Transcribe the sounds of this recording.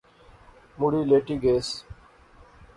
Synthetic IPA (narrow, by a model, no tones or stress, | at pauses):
muɽiːleːʈiːɡeːs